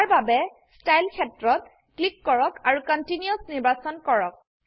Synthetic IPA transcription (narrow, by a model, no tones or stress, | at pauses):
aɹbabɛ | stajlkʰɛtɹɔt̚ | klikːɔɹɔkaɹukɔntiniosniɹbasɔnkɔɹɔk̚